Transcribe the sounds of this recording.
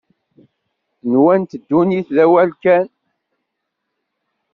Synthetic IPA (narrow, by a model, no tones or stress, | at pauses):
nwænt̪əd̪ːuniθðæwælkæn